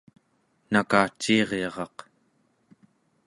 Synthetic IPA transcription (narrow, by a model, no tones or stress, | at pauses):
nakaːt͡ʃːiːʁeʁɑq